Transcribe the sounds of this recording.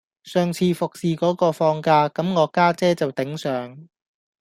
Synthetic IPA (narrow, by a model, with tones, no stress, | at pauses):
sœː˨ŋt͡sʰiː˧fʊ˨k̚siː˨kɔː˨˥kɔː˧fɔː˧ŋkaː˧kɐ˨˥mŋɔː˨˧kaː˥t͡sɛː˥t͡sɐ˨wt̪ɪ˨˥ŋsœː˨˥ŋ